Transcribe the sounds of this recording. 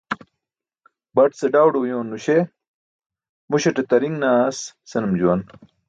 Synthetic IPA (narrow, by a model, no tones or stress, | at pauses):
bɐʈseɖaːwɖojõːnːuɕe | muɕeʈet̪ɐɾiŋɡnaːssɐnumd͡ʑuwɐn